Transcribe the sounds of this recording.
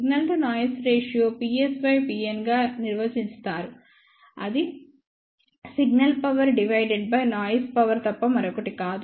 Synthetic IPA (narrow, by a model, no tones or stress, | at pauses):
ɡnɐlʈɐnaːjɐsɾeːʂijoːpiːesʋɐjpiːenɡaːniɾʋɐd͡ʒinst̪aːɾu | ɐd̪i | siɡnɐlpɐʋɐɾɖiʋɐjɖeɖ̚bɐjnaːjɐspɐʋɐɾt̪ɐpːɐmɐɾɔkɐʈikaːd̪u